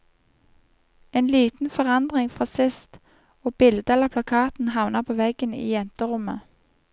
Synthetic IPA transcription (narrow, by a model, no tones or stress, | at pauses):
eːnliːt̪n̩fɔʁɑnd̪ʁɪŋfʁɔsɪst̪ | oːb̥ɪld̪əɛləʁpʰlɑkʰɑːt̪n̩hɑʋnəʁpʰoːʋɛɡənḭːjɛnt̪əʁʊmə